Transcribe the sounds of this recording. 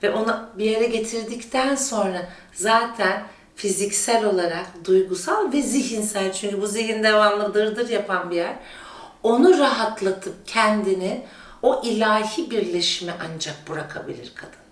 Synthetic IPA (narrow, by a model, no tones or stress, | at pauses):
vɛʔo̞nubijeɾɛɟe̞t̪ʰiɾd̪ict̪ʰænso̞nɾa | zaːt̪ʰæn | fizicsælʲo̞lˠaɾakd̪ujɡusalˠvɛziɦinsælʲt͡ʃʰyɲcybuzejind̪ɛvanlˠɯd̪ɯɾd̪ɯɾjapʰanbijæɾ̥ | o̞nuɾaɦat̪ʰlˠat̪ʰɯp̚cʰɛnd̪ini | o̞ʔilʲaːhibiɾlʲeʃimɛʔand͡ʒak̚buɾakʰa̰bḭlʲḭɾkʰad̪̥ɯn